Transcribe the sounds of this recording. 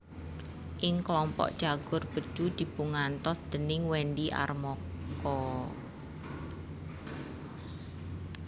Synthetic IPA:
ʔɪŋklɔmpɔ̰ʔd̥ʒ̥aɡ̥ʊ̤rb̥əd̥ʒ̥ud̪̥i̤puŋant̪ɔsd̪̥ə̤nɪŋwɛnɖiʔa̰rmɔkɔ

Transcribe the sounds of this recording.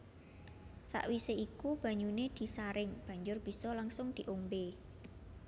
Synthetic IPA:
sa̰ʔwiseikub̥a̤ɲuned̪̥i̤saɾɪŋb̥ä̤ɲd͡ʒʊrb̥i̤sɔlaŋsʊŋd̪̥i̤ʔombe

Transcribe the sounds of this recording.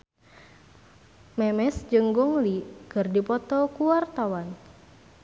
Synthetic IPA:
mɛmɛsd͡ʒɨŋɡɔŋlikɨrdipɔt̪ɔkuwart̪awan

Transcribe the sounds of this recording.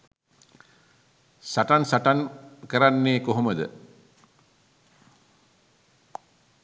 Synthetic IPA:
saʈansaʈankəɾanːeːkoɦoməd̪ə̰

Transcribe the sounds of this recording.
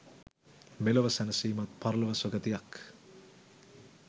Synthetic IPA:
meloʋəsænəsiːmat̪̚pʰaɾlɐʋɐsoɡət̪ijak

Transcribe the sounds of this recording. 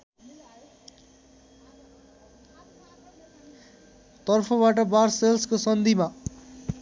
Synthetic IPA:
t̪ʌrpʰobaʈʌbaɾselskosʌnd̪ʱima

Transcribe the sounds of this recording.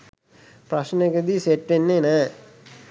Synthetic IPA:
prɐɕneked̪iseʈːenːenə

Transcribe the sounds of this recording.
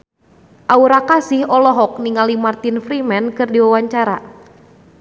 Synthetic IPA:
ʔauɾakasɪhɔlɔɦɔk̚niŋalimart̪infɾimɛnkɨrdiwawaɲt͡ʃaɾa

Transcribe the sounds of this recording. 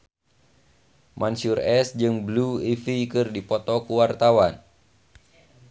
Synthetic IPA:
mʔansurɛsd͡ʒɨŋbluifikɨrdipɔt̪ɔkuwart̪awan

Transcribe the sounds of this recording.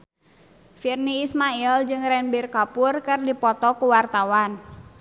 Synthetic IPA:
firniːsmaild͡ʒɨŋɾɛnbirkapurkɨrdipɔt̪ɔkuwart̪awan

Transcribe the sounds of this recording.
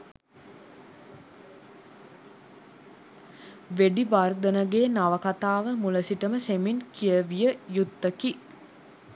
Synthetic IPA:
ʋeɖiʋard̪ənəɡeːnaʋəkat̪aːʋəmuləsiʈəməseminkijəʋijəjut̪ːəki

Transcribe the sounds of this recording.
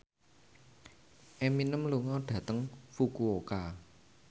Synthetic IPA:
ʔɛminəmluŋɔɖ̥ä̤t̪əŋfukuoka

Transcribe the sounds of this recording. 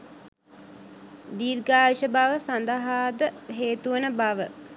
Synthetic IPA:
d̪iːɾɡaːʋiʃəbaʋəsand̪əɦaːd̪əɦeːt̪uənəbaʋə

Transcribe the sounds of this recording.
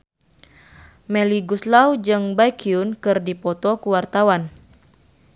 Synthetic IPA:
mɛliɡuslawd͡ʒɨŋbajkʰiunkɨrdipɔt̪ɔkuwart̪awan

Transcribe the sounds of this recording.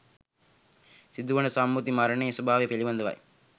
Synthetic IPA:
sid̪uʋɐnəsamːut̪imaɾɐɳejsubaːʋepeliʋɐnd̪ɐʋɐ̰j

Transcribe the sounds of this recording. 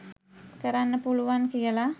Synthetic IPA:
kəɾanːəpuluʋaŋkijəla

